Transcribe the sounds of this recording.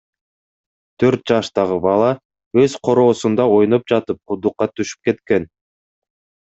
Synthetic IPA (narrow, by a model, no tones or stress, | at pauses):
t̪ʰø̞ɾt̪̚d͡ʒɑʃt̪ɑʁɯbɑlˠɑ | øzqʰo̞ɾo̞ːsund̪ɑo̞jno̞p̚d͡ʒɑt̪ɯp̚qud̪uqːɑt̪ʰyʃy̥p̚ke̞t̪ke̞n